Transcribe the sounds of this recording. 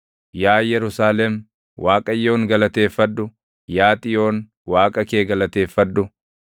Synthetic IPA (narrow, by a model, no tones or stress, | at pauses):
jaːjɛɾʊsaːlɛm | wʔaːkʼɐjːo̞ːŋɡɐlɐt̪e̞ːfːɐd̪ːʊ | jaːt̪ʼɪjo̞ːn | waːkʼɐkeːɡɐlɐt̪e̞ːfːɐd̪ːʊ